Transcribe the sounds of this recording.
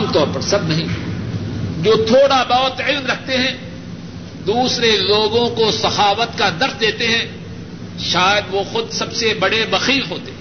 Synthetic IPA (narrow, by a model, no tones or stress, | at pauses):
mt̪ɔːɾpɐɾsɐbnɐɦĩː | d͡ʒoːt̪ʰoːɽabaːət̪ɪlnɾɐk̚ʰt̪eɦɛ̃ː | d̪uːsɾeloːɡõkosɐxaːʋət̪kad̪ɐɾsd̪eːt̪eɦɛ̃ | ʃaːjəd̪ʋoxʊd̪sɐbsebɐɽebɐxiːlɦoːt̪e